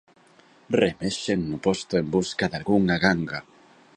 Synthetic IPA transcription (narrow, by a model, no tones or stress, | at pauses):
remeʃeŋnʊpɔst̪ʊembuskaðalɣuŋaɣaŋɡa